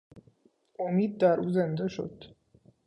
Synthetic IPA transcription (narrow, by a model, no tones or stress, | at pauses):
omiːd̪d̪æɾuːzend̪eʃo̞̰d̪̥